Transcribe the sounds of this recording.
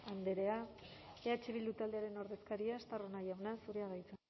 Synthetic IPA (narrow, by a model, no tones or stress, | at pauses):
and̪e̞ɾe̞aeat͡ʃeβild̪ut̪ald̪e̞aɾe̞no̞ɾðe̞skaɾiaest̪aro̞najawnasuɾeaɣajt͡se